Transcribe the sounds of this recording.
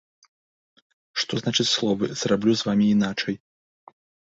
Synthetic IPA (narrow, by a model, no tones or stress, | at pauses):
ʂt̪ɔznat͡ʂɨt͡sʲslˠɔvɨzrablʲuzvamʲiːnat͡ʂɛj